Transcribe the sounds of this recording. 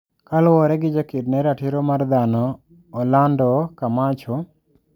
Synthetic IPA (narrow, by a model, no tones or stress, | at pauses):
kalwɔɾɛɡɪd͡ʒakɪdnɛɾaʈʰiɾɔmaɾd̪anɔː | lanɖɔkamat͡ʃʰɔ